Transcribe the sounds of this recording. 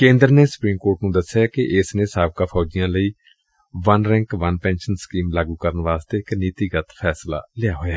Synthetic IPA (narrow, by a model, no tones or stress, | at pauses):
kẽːnd̪əɾneːsʊ̥pɾiːmkoːɾʈnũːd̪əsːjaːkɪʔɪsnẽːsaːb̚kaːpʰɔːd͡ʒɪjãːləiː | ʋənɾɛ̃ːŋkʋənpɛ̃ːnʃənskiːmlaːɡũːkəɾənʋaːst̪eːɪkniːt̪iːɡət̪pʰɛːsla̰ːlɪjaːɦoːjaː